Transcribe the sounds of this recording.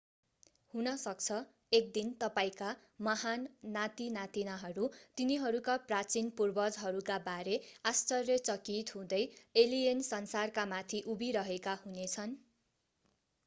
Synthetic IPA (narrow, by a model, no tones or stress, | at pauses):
hunʌsʌk̚t͡sʰʌ | ek̚d̪int̪ʌpaĩka | mʌɦanːat̪inat̪inaɦʌɾut̪iniɦʌɾukaprat͡sinpurbʌd͡zɦʌɾukabaɾeast͡sʌrːʌt͡sʌkit̪ɦũd̪ʌjeliensʌnsarkamat̪ʰiʔubiɾʌɦekahunet͡sʰʌn